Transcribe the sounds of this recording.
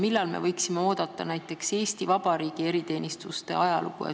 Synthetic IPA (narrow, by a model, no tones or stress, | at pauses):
milːɑlme̞̰vɤjksimeo̞ːd̪̥ɑt̪ːˑɑnæjt̪ːˑe̞kse̞ːst̪ivɑbɑɾiːɡ̥ie̞ɾit̪e̞ːnʲist̪ust̪e̞̰ɑjɑlʔṵkṵjɑ̰